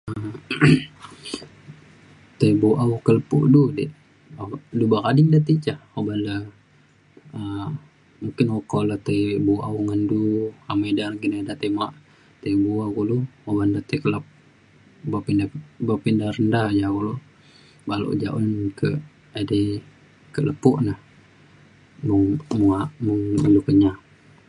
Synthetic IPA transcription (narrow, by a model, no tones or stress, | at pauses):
ə | t̪ebuʔaukələpṵʔdudɛʔ | dubakadiŋdat̪it͡ʃaobanla | ə | muŋkɪnokolat̪ebuauŋənduamedanɡinadat̪emaʔ | t̪ebuakuluobandat̪ekəlap̚ | bapindabapindaɾəndad͡ʒakulu | balo̰ʔd͡ʒaʔunnkə̰ | adɛ | kələpʊʔnah | məŋmuaʔməŋṵlukəɲa